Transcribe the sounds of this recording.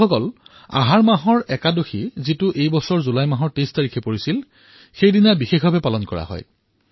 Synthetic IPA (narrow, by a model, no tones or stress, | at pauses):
ɔkɔl | a̰ɦaɹmaɦɔɹɛkadoxʰizitʊʔejbɔsɔɹzulajmaɦɔɹtestaɹikʰɛpoɹisil | xejdinabixexbabɛpalɔnkɔɹa̰ɦɔ̰j